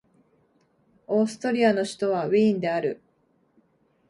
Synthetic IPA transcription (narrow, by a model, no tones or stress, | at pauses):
o̞ːsɨ̥t̪o̞ɾʲiano̞ɕi̥t̪o̞βaβĩːnd̪e̞aɾɯ̟̰